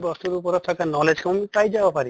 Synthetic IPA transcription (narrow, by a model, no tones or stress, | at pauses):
bɔst̪uɾupɔɾɔt̪ʰakanɔled͡ʒkʰamumipajd͡ʒabɔpaɾi